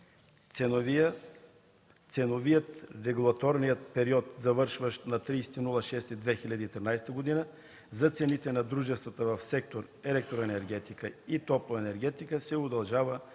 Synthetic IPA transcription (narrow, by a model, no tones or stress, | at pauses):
ɛ | t̪sɛnovijət̪ɾɛɡulˠɐt̪ɔɾnijət̪pɛɾiɔt̪zɐvɤɾʃvəʃt̪nɐt̪ɾijsɛ̥t̪inulˠəʃɛst̪id̪vɛxilʲɐd̪iːt̪ɾinajst̪əɡod̪inə | zɐt̪sɛnit̪ɛnɐd̪ɾuʒɛst̪vət̪əvɐfsɛk̚t̪oɾ | ɛlɛk̚t̪ɾoɛnɛɾɡɛt̪ikəit̪ɔplˠoɛnɛɾɡɛt̪ikəsɛʊd̪ɐlˠʒavə